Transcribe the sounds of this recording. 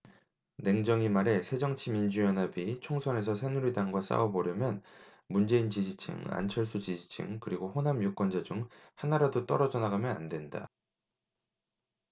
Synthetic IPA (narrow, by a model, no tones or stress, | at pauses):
ne̞ŋd͡ʑʌŋimaɾe̞sʰe̞d͡ʑʌŋt͡ɕʰimind͡ʑujʌnɦabit͡ɕʰoŋsʰʌne̞s̬ʰʌsʰenuɾidaŋɡwas͈a̰wʌbʌɾjʌmjʌn | mund͡ʑe̞int͡ɕid͡ʑit͡ɕʰɯ̰ŋa̰nt͡ɕʰʌɭs͈ʰut͡ɕid͡ʑi̥t͡ɕʰɯ̰ŋkɯɾiɡoɸonamjok͈wʌnd͡ʑad͡ʑuŋhanaɾadot͈ʌɾʌd͡ʑʌnaɡamjʌna̰ndwe̞nda̰